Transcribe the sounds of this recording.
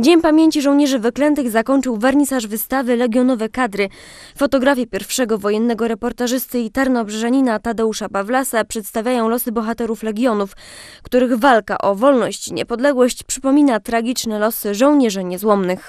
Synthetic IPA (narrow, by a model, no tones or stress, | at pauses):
d͡ʑeɲpamʲjeɲt͡ɕiʐɔw̃ɲɛʐɘvɘklɛnt̪ɘɣzakɔɲt͡ʂɘwvaɾɲisaʐvɘst̪avɘlɛɡʲjɔnɔvɛkad̪ɾɘfɔt̪ɔɡɾafʲjɛpʲjɛɾfʂɛɡɔvɔjɛnːɛɡɔɾɛpɔɾt̪aʐɘst̪ɘit̪aɾnɔbʐɛʐaɲinat̪ad̪ɛuʂapavlasapʂɛt̪st̪avʲjajɔ̃w̃lɔsɘbɔxat̪ɛɾuflɛɡʲjɔnufkt̪uɾɘɣvalka̰ʔɔvɔlnɔɕt͡ɕiɲɛ̰pɔd̪lɛɡwɔɕt͡ɕpʂɘ̥pɔmʲinat̪ɾaɡʲit͡ʂnɛlɔsɘʐɔ̃w̃ɲɛʐɘɲɛzwɔmnɘx